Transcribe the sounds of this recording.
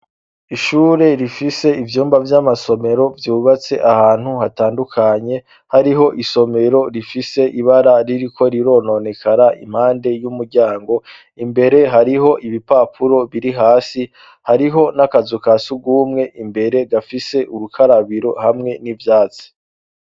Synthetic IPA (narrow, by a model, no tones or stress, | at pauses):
iʃuːɾe̞ɾifise̞ivjuːmbavjamaso̞me̞ɾo̞vjuːβat͡se̞ʔahaːn̥huhataːndukʰaɲe̞ | haɾiɦo̞ʔiso̞me̞ɾo̞ɾifise̞ʔiβaɾaɾiɾikʰo̞ɾiɾo̞no̞ne̞kʰaɾaʔḭm̥haːnde̞jumuɾɟaːŋɡo̞ | imbe̞ɾe̞ɦaɾiɦo̞ʔiβipapʰuɾo̞βiɾiɦaːsi | haɾiɦo̞nakazukasuɡuːmŋe̞ʔimbe̞ɾe̞ɡafise̞ʔuɾukʰaɾaβiɾo̞hamŋe̞nivjaːt͡si̥